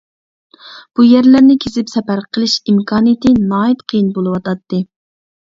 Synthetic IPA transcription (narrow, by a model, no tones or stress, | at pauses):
b̥ujæɾlæɾnɪkʲʰezɪpsɛpæɾqʰəlˠɨʃimkʰɑːnjt̪ɨnɑːit̪qʰəjinbolˠɨwɑt̪ɑt̪ːɨ